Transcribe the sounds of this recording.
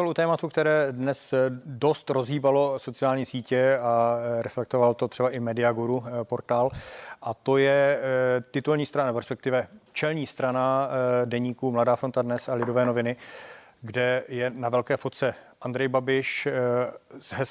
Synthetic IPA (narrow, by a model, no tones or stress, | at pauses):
alut̪ɛːmat̪ukt̪ɛɾɛːdnɛsdo̞st̪ɾo̞zɦiːbalo̞so̞t͡sɪaːlɲiːsiːcɛaɾɛflɛk̚t̪ovalt̪o̞t̪ɛbaʔɪmɛdɪaɡuɾupo̞ɾt̪aːlʔat̪o̞jɛ | t̪ɪt̪ulɲiːst̪ɾanapɛɾspɛkt̪ɪvɛt͡ʃɛlɲiːst̪ɾanadɛɲiːkumladaːfɾo̞nt̪adnɛsalɪdo̞vɛːno̞vɪnɪ | ɡdɛjɛnavɛlkɛːfot̪̚t͡sɛ | ʔand̪ɾɛjbabɪʃ | zɦɛs